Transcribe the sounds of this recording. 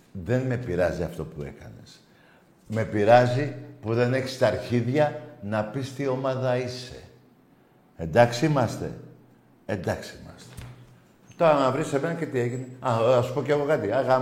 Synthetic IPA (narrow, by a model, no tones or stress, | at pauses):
ðe̞nme̞piɾɐziɐft̪o̞pue̞̰kɐ̰ne̞s | me̞piɾɐzipuðe̞ne̞çi̥st̪ɐɾçiðʝɐnɐpist̪io̞mɐðɐise̞̰ | end̪ɐksiimɐst̪e̞̰ | end̪ɐksiimɐst̪e̥ | t̪o̞ɾɐnɐvɾise̞me̞nɐce̞t̪ie̞ʝineɐɐsu̥po̞ceɣo̞kɐt̪iɐɣa